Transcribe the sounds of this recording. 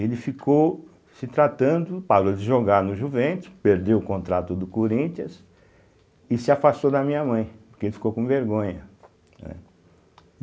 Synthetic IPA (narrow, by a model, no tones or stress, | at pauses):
elɪfikʰow | sɪt̪ɾat̪ɐ̃nd̪ʊpaɾod͡ʒɪʒoɡaɾnʊʒuvẽnt̪ʊ̥speɾd̪ewʊkõnt̪ɾat̪ʊd̪ʊkoɾĩt͡ʃ̪iɐs | ɪsɪafast̪od̪ɐmĩɲɐmɐ̃j̃pʊɾkeelɪfi̥kowkõveɾɡõɲɐ | nɛ̰